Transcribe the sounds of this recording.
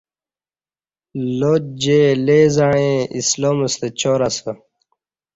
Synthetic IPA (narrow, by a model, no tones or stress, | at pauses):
lod͡ʑeleːzaɳ̃ẽisloːməst̪et͡ɕoːɾasə